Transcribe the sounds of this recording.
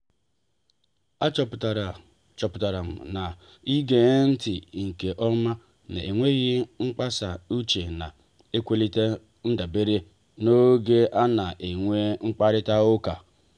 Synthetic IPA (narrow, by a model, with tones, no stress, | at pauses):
a˦t͡ʃɔ˨pta˨ɾ | t͡ʃɔ˨pʊ˨ta˨ɾa˨m̩˨na˨ | i˦ɡe˨˦n̩˦tɪ˨ŋ̩˨ke˨ʔɔ˦ma˦ | na̰˨e˨ŋʷe˦ɣɪ˦ŋ͡m̩˦k͡pa˦sa˨u˦t͡ʃe˨na̰˨ | e˦kʷe˦li˦te˦ | n̩˦da˨be˦ɾe˦ | no˦ɡe˦ʔa˦na˨ʔe˨ŋʷe˦ŋ͡m̩˦k͡pa˦ɾɪ˦ta˦ʊ˦ka˨